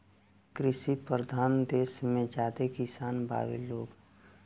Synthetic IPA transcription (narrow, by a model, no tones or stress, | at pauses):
kɾɪʃipɾəd̪ʱaːnd̪eːsmẽd͡ʒaːd̪ekɪsaːnbʱa̰ːʋḛloːɡ